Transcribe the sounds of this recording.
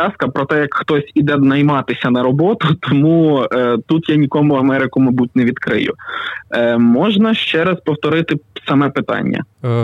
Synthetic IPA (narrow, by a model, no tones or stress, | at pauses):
ɑskɐpɾɔt̪ɛjɐkxt̪ɔsʲid̪ɛd̪nɐjmɑt̪ɪsʲɐnɐɾɔbɔt̪ʊt̪ɔmut̪ut̪janʲikɔmʊɐmɛɾɪkʊmɐjbutʲneʋʲid̪kɾɪ̰jʊ̰ | mɔʒnɐʃt͡ʃɛɾɐspɔwt̪ɔɾɪt̪ɪsɐmɛpɪt̪ɑ̰nʲːɐ̰